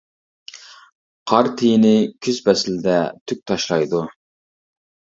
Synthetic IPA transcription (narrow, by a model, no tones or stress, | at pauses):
qʰɑɾt̪ʰijnɪkʲʰyzbɛsɪlɪd̪ɛt̪ʰyk̚ʲt̪ʰɑʃlˠɑjd̪u